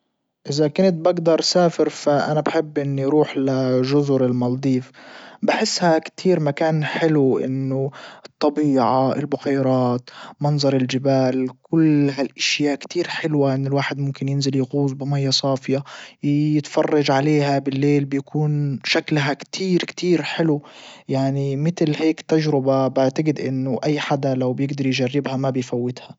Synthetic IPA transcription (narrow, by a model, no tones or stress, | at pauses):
ʔɪzakʊnt̪̚baɡd̪ɑɾˤsaːfɪɾfaʔanabħɪbːʔɪnːʊjɾuːħlaʒʊzʊɾɪlmɑld̪ˤiːfbɪħɪsːhakt̪ʰiːɾmakaːnħɪluʔɪ̰nːʊɨt̪ˤːɑbiːʕaɪ̰lbʊqajɾˤɑːt̪mɑnzˤɑɾˤɪld͡ʒɪbaːlkʊlɦalʔaʃjaːʔkt̪iːɾħɪlwaʔɪnːɪlwaːħɪd̪mʊmkɪnjɪnzɪljɣuːzˤbɪmajːasˤɑːfɪjajɪt̪fɑrˤːɑʒʕaleːhabɪlːeːlbjakʰuːnʃaklɦakt̪ʰiːɾkt̪iːɾħɪlujaʕnimɪt̪lheːkt̪ːaʒɾɪbabɪʕt̪aɡɪd̪ʔɪ̰nːʊʔajːħad̪alawbjɪɡd̪ɑɾˤjʒarːɪbhamabɪjfawːɪt̪ha